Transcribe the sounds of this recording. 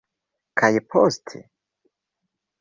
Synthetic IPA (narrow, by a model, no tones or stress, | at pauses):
kʰajpʰɔzt̪ʰḭ